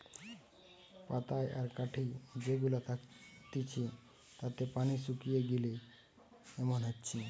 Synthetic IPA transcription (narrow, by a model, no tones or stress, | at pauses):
pat̪ajʔaɾkaʈʰid͡ʑeɡulat̪ʰakt̪it͡ɕʰi | t̪at̪epanisukijeɡile | ɛmonɦatːt͡ɕʰi